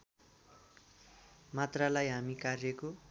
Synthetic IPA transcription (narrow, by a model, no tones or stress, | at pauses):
mat̪ralajɦamikarjʌko